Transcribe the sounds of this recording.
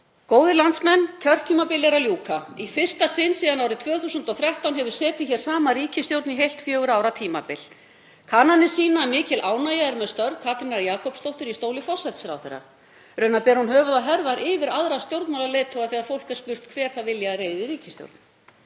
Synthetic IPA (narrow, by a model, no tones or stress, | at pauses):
koːwðɪlant̪smɛnt̪ʰœr̥t̪ʰiːmapɪlɛɾaljuːkaifɪr̥st̪asɪnsiːðanawɾɪt̪ʰvœːθuːsʏnt̪ɔwθɾjawht̪awnɦɛvʏɾ̥sɛːt̪ɪçɛɾ̥saːmaɾiːcɪst̪jowɾt̪niɦejlt̪fjœːɣʏɾaːwɾawt̪ʰiːma̰pɪl | kʰaːnanɪsiːnamɪːcɪlʔaːwnaːjaɛɾmɛðst̪œɾðkʰat̪ɾɪnaɾjaːkʰɔpst̪owht̪ʏɾist̪oːwlɪfɔsajt̪sɛɾa̰wθḛɾːa̰ | ɾœːɥnapɛːɾhunɦœːvʏðaɦɛɾðaɾʔɪvɪɾaðɾast̪jowɾt̪malaleːjt̪ʰɔwɣaθiːaðfowl̥kɛɾ̥spʏr̥t̪kʰvɛːɾ̥θaðvɪljareːjðɪɾiːcɪ̥st̪jo̰wɾt̪n